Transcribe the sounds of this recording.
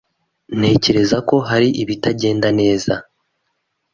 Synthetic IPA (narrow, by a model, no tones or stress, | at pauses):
n̥he̞ːce̞ɾe̞zako̞ɦaɾiʔiβitaɟe̞ːndane̞ːza